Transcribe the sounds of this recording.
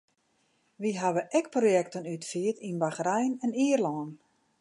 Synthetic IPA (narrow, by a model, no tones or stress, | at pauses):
ʋiɦaʋəʔɛk̚projɛktənytfiətinbaxrɛjnɛniərlɔːn